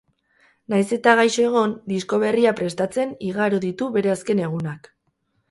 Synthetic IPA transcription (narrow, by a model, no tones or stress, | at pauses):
najse̞t̪aɣajsoeɣ̞o̞nd̪isko̞βe̞riapɾe̞st̪at͡se̞niɣaɾoðit̪uβe̞ɾe̞aske̞ne̞ɣ̞unak